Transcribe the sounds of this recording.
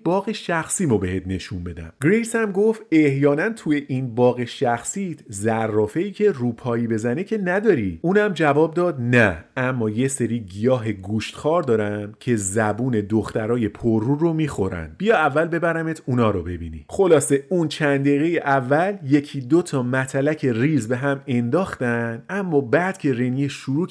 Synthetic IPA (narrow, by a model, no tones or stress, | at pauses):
b̥ɒːɣe̞ʃæxsiːmobe̞het̪̚ʰne̞ʃunbe̞d̪æ̰mɡɾejsæmɡo̞ft̪e̞hjɒːnænt̪ʰuːje̞ʔinbɒːɣe̞ʃæxsit̪ʰzærːɒːfe̞iːcʰe̞ruːpʰɒːjibe̞zænecʰe̞næd̪ɒːɾiuːnæmd͡ʒævɒːb̚d̪ɒːd̪nææmːɒːje̞se̞ɾiːɟijɒːɦe̞ɡuːʃt̪xɒːɾd̪ɒːɾæmcʰe̞zæbuːne̞d̪oxt̪æɾɒːje̞pʰorːuːɾo̞miːxo̞ɾæ̰nd̪̚bijɒævːælbe̞bæɾæmet̪ʰunɒːɾobe̞bḭːnḭχo̞lɒːse̞unt͡ʃʰænd̪eːɣe̞jeʔævːælje̞cʰiːd̪o̞t̪ʰɒmæt̪ʰælæcʰe̞riːzbe̞ɦæme̞nd̪ɒːxt̪ænd̪æmːɒːbæd̪̥cʰe̞ɾe̞nieʃʃuɾuː